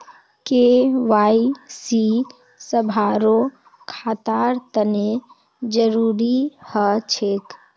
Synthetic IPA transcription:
keʋaisi | səbʱaɾo | kʰaːt̪aɾt̪əne | d͡ʒəɾuːɾihət͡ʃʰek

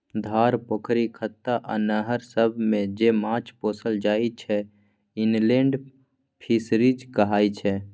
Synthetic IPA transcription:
d̪ʱaːɾpokʰɾikʰət̪ːaʔə̰nəɦəɾsəbʱmẽd͡ʒeːmãːt͡ʃpoːsəld͡ʒaːit͡ʃʰɛ | ɪnlẽːɳɖ | pʰisɾid͡ʒkəɦaːit͡ʃʰɛ

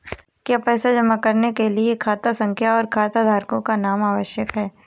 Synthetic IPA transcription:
kjaːpɛːsad͡ʒɐmakɐɾnekeliekʰaːt̪asɐ̃ŋkʰjaɔːɾkʰaːt̪ad̪ʱaːɾkõkanaːmaːʋəʃjəkɦɛː

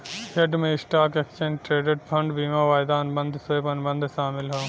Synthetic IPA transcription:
heɖmẽsʈaːkekt͡ʃənʈɾeːɖeɖpʰɐ̃ɳɖbiːmaːʋaːjd̪aːnbɐ̃nd̪ʱseːpɐnbɐ̃nd̪ʱʃaːmɪlɦɐ

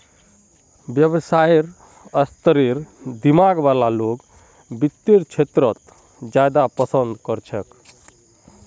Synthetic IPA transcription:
bjəbsajɾ | əst̪əɾiɾd̪imaɡʋalaloɡ | bit̪ːiɾt͡ʃʰet̪ɾət̪ | d͡ʒjad̪apəsənd̪kəɾt͡ʃʰək

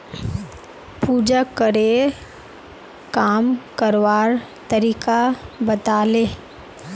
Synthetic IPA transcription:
puːd͡ʒakəɾe | kaːmkəɾʋaːɾ | t̪əɾiːkabət̪aːleː

